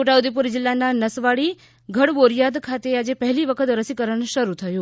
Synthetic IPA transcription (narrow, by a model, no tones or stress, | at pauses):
oʈaud̪ipuɾd͡ʒɪlːananəsʋaɽi | ɡʱəɽboɾijad̪kʰat̪ead͡ʒepəɦɛliʋəkʰət̪ɾəsikəɾəɳʃəɾut̪ʰəjũ